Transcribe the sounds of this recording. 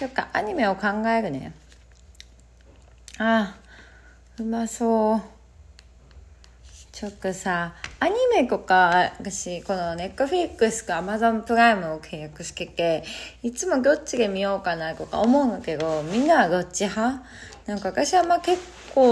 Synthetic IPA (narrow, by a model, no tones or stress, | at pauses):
kokːaʔaɲ̟ime̞okãŋɡaeɾɯ̟ne̞̰ | a | ɯmaso | t͡ɕotːosaːɲ̟ime̞kokaakaɕikonone̞kːɯɸiɾikːɯsɨ̥kɯamazompɯɾaimɯ̟okʰe̞jakɯɕi̥kikːeit͡sɨmok̬ʲjot͡ɕiɡemʲiokanakoka̰omoɯŋɡakedomʲinːaɡ̪ot͡ɕiɦa | nãŋkaβakaɕiβamːake̞kː | o